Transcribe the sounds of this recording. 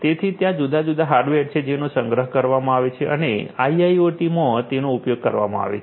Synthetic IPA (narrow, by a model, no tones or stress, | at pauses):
t̪et̪ʰit̪jãd͡ʒud̪ʱad͡ʒud̪aɦaɾɖʋeʈt͡ʃʰed͡ʒenosəŋɡɾəɦkəɾʋamãaʋet͡ʃʰeʔə̰neaiaioʈimõt̪enoupjoɡ̚kəɾʋa̰mã̰a̰ʋḛt͡ʃ